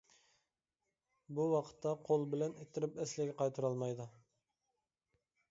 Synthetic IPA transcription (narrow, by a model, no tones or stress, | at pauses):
buwɑqʰə̥t̪ʰːɑqʰolˠbɪlɛnet̪ʰːɪɾɪpɛslɪɡʲɛqʰɑjt̪ʰuɾɑlˠmɑjd̪u